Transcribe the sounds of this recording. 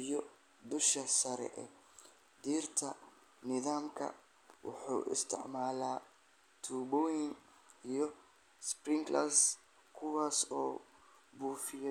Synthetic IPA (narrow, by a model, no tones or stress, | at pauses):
ijɔ | d̪ʊʃɐsɐɾɛ̰ʔɛ̰ | d̪iːrt̪ʰɐ | nɪðaːmkʰɐ̰ | wɑ̰ħṵːʔɪ̰st̪ʰɪ̰ʕmaːlaː | t̪ʰuːβɔjɪŋ | ijɞ | sprɪŋklaːs | kʰʊwaːsɔː | buːfɪjɐ